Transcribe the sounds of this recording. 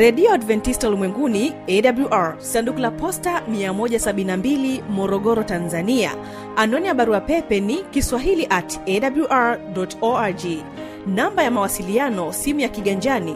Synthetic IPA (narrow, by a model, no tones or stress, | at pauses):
ɾɛɗiɔadvɛntistalumwɛŋɡuniɛɗabluʔaɹsandukulapɔstamiamɔʄasaɓinnambilimɔɾɔɠɔɾɔtanzania̰ | anɔnijaɓaɾuapɛpɛnikiswaɦiliʔatɛɗabluʔaɹɗɔtɔad͡ʒi | nambajamawasilianɔsimujakiɠaɲd͡ʒani